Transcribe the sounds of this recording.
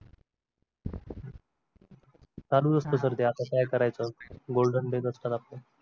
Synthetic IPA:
saluɾəst̪əsəɾd̪eat̪akajkəɾajt͡səɡolɖənɖeɡəsʈat̪aple

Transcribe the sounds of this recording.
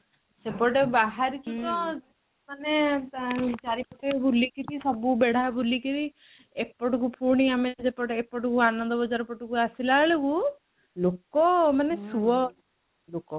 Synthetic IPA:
sepɔʈebaɦaɾit͡ʃʰit̪ɔd͡ʒe | mane | t͡ʃaɾipɔt̪ʰebʱulːikit̪isɔbubeɽabʱulːikiɾi | epːɔʈukupʰuɽ̃iamed͡ʒepɔʈepːɔʈukuanɔnd̪ɔbɔd͡ʒaɾpɔʈukuasilaɭeku | lokɔmanesuʋɔ | lokɔ

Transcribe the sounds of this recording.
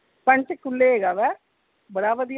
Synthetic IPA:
pə̃ɳt͡ʃkʊlːeːeːɡaːʋɛː | bəɽaːʋəd̪ij

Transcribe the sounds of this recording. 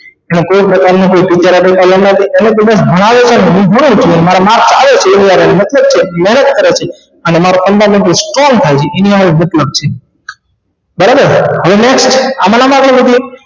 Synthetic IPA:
enũkoipɾəkaɾnũkoipit͡ʃaɾabəkʰalənnət̪ʰiʔenet̪obəsbʱəɭ̃aʋet͡ʃʰeneɦũɦoɽ̃ũt͡ʃʰuenmaɾamak̚ʰt͡ʃaʋet͡ʃʰeːniaʋenemət̪ləb̚t͡ʃʰemɛɦnət̪̚kəɾet͡ʃʰe | ənemaɾokənd̪amɛ̃ɳʈ̪ɾesʈɾɔŋɡt̪ʰajt͡ʃʰeʔeniaʋemət̪ləb̚t͡ʃʰe | bəɾabəɾɦəʋeneksʈamanamãɡlibəd̪ʱi

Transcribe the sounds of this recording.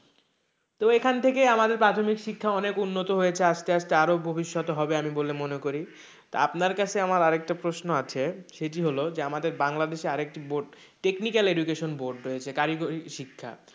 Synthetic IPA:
t̪oekʰant̪ʰekeamad̪eɾpɾat̪ʰomikʃikʰːaɔnekunːot̪oɦojet͡ɕʰeaʃt̪eaʃt̪eaɾobʱobiʃːɔt̪oɦɔbeamibolemonekoɾi | t̪oapnaɾkat͡ɕʰeamaɾaɾek̚ʈapɾosnoat͡ɕʰeʃeʈ̬iɦolod͡ʑeamad̪eɾbaŋlad̪eʃeaɾek̚ʈiboɾɖ | ʈeknikaleɖukeʃonboɾɖɾojet͡ɕʰekaɾikoɾiʃikʰːa̰

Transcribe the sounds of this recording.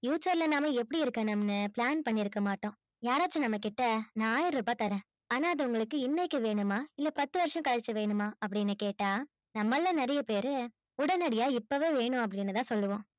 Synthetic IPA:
juːsɐɾlɐnaːmɐɛpːɐɽiɪɾɯkːɐ̃ːnɐmɐnɯpɭaːnpɐɳːɪɾɯkːɐmaːʈːõː | jaːɾaːt͡ʃːɐ̃nɐmːɐkɪʈːɐnãːjɪɾɾɯbaːt̪ɐɾɛ̃ː | aːnaːɐðɐʊŋɡɐɭɯkːɯɪnːɐɪkːɐʋeːɳɯmaːɪlːɐpɐt̪ːɯʋɐɾʂɐ̃kɐɻɐt͡ʃːɐʋeːɳɯmaːɐp̬ːɐɽɪnːɯkeːʈːaː | nɐmːɐlːɐ̃nɛɾɐjɐpeːɾɯ | ʊɽɐnɐɽɪjaːɪpːoʋeːʋeːɳɯ̃ɐp̬ːɐɽɪnːɯt̪ãːsɔlːɯʋõː

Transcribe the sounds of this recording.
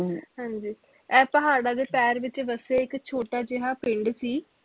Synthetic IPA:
ɦãːɲd͡ʒiː | ɛːpəɦaːɽaːd̪eːpɛːɾʋɪt͡ʃʋəseːɪkt͡ʃʰoːʈaːd͡ʒeɦaːpɪ̃ɳɖsiː

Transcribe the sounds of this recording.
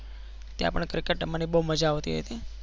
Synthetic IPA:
t̪ja̰pəɳkɾikəʈːmənibouməd͡ʒaʋt̪iɦo̰jt̪i

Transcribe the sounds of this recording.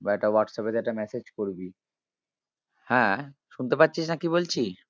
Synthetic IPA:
bɛʈawaʈsaped͡ʑɛʈamɛsed͡ʑkoɾbi | hɛ̃ʃunt̪epatːɕʰiʃnakibolt͡ɕʰi

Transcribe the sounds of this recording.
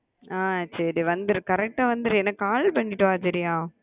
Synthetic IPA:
aːsɐɾiʋɐnd̪ɯɾɯkɐɾɛk̚ʈːaːʋɐnd̪ɯɾɛnːɐaːlpɐɳːɪʈːɯ̃aːsɐɾɪjaː

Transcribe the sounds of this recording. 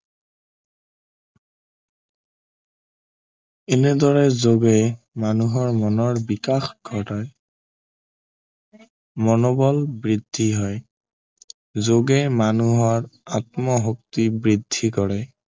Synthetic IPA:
enɛdɔɹɛzoɡɛj | manuɦɔɹmɔnɔɹbikaxɡʱɔtɔj | mɔnɔbɔlbɹidʱːiɦɔj | zoɡɛmanuɦɔɹatmɔɦuk̚tibɹidʱːikɔɹɛ

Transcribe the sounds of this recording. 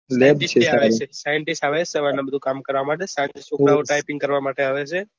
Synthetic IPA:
lebʈist͡ʃʰeaaʋt͡ʃʰesajəɳʈisʈaʋesəʋanabəd̪ʱukamkəɾʋamaʈ̬esajənʈisoɽaoʈajpĩŋɡkəɾʋamaʈeaʋet͡ʃʰe

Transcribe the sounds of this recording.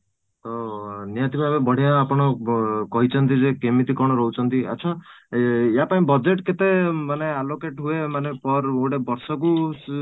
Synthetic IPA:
t̪ʌnijat̪ibʱabebʌɽ̤ijãːpɔɽ̃ɔkʌɦit͡sʰʌnt̪id͡zẽkemit̪ikɔɽ̃ʌɾʌɦut͡sʰʌnt̪ia̰tːt͡sʰʌ | japaĩbʌd͡zeʈket̪emanealokeʈɦuemanepʌroʈebʌɾsʌk̬u

